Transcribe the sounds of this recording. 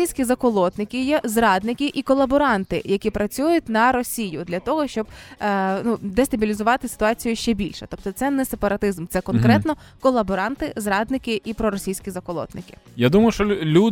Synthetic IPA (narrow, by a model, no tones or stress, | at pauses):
ijsʲkʲizɐkɔlˠɔt̪nɪkʲɪjɛzrɑd̪nɪkʲɪʔikɔlˠːɐbɔɾɑnt̪ɪ̰jɐkʲipɾɐt͡sʲujʊt̚ʲnɐɾɔsʲijʊd̪lʲɐt̪ɔɦɔʃt͡ʃɔb̥nud̪est̪ɐbʲilʲizʊʋɑt̪ɪsɪ̥t̪ʊɑt͡sʲijʊʃt͡ʃɛbʲilʲʃɛt̪ɔp̚t̪ɔt̪sɛnɛsepɐɾɐt̪ɪzmt̪sɛkɔnkɾɛt̪nɔ | kɔlˠːɐbɔɾɑnt̪ɪzrɑd̪nɪkʲɪʔipɾɔɾɔsʲijsʲkʲizɐkɔlˠɔ̰t̪nɪkɪ̥jad̪umɐjʊʃt͡ʃɔlʲu